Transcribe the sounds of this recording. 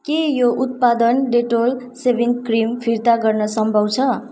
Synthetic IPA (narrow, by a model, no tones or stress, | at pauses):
kejoʔut̪̚pad̪ʌnɖeʈol | sebiŋkrimpʰiɾt̪aɡʌrnʌsʌmbʱʌwt͡sʰʌ